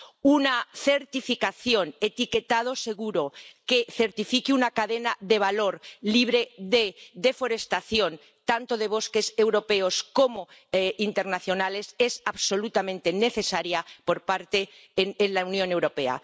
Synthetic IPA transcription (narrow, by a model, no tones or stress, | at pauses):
unaθe̞ɾt̪ifikaθjo̞ne̞t̪ike̞t̪að̞o̞se̞ɣuɾo̞ke̞θe̞ɾt̪ifikiunakaðe̞naðe̞β̞alo̞ɾliβ̞ɾe̞ðeðe̞fo̞ɾe̞st̪aθjo̞n | t̪ant̪o̞ðe̞β̞o̞ske̞se̞wɾo̞pe̞osko̞moint̪e̞ɾnaθjo̞nale̞se̞saβso̞lut̪amẽnt̪e̞ne̞θe̞saɾjapo̞ɾpaɾt̪e | nenlaunjone̞wɾo̞pe̞a̰